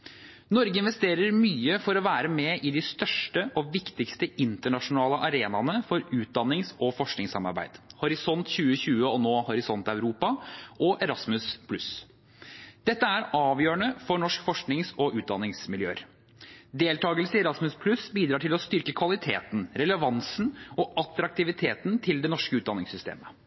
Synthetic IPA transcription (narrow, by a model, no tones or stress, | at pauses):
nɔɾɡəɪnʋɛst̪eːɾəɾmyːəfɔɾɔʋæːɾəmɛʔɪd̪ɪst̪œʂʈəʔɔʋɪkt̪ɪkst̪əɪnt̪əɳɑʂʊnɑːləʔɑɾeːnɑnəfɔɾʉːt̪̚d̪ɑnːɪŋsɔfɔʂknɪŋsɑmɑ̰ɾbæ̰ɪd̪̥hɔɾɪsɔnt̪çʉːəçʉːəɔnoːhʊɾɪsɔnt̪ɑʉɾuːpɑʔɔʔɛɾɑsmʉspʰlʉs | d̪̥ɛt̪ːəæɾɑːʋjøːəɳəfɔɳɔʂkfɔʂknɪŋsɔʔʉːt̪d̪ɑnːɪŋsmɪljøːəɾ | d̪eːlt̪ʰɑːɡəlsɪɛɾɑsmʉspʰlʉsbiːd̪ɾɑːʈʰɪlɔst̪ʏɾkəkʰʋɑlɪt̪ʰeːt̪n̩ɾɛləʋɑnsn̩ɔʔɑt̪ɾɑk̚t̪ɪʋɪt̪ʰeːt̪nt̪ʰɪld̪ɛnɔʂkəʉːt̪̚d̪ɑnːɪŋsʏst̪ḛːmə